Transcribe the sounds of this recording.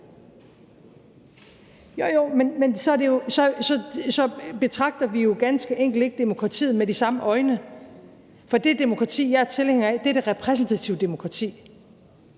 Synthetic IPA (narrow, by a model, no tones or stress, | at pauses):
jojomenmensɒ̽æɐde̝jo̝sɒ̽sɒ̽sɒ̽b̥e̝t͡sʰʁɑ̈ɡ̥̚d̥ɐʋijo̝ɡ̥ænsɡ̥əʔeŋ̰ɡ̥l̩d̥e̝ɡ̥̚d̥e̝mo̝kʰʁɑ̈t͡sʰḭːð̩ˠmedisɑ̈məʔɒ̽ɪnə | fɒ̽d̥e̝d̥e̝mo̝kʰʁɑ̈t͡sʰḭːjæt͡sʰe̝lheŋɐd̥eɾ̥e̝ʁɛpʰʁɛs̬n̩t͡sʰæt͡sʰiʊd̥e̝mo̝kʰʁɑ̈t͡sʰḭː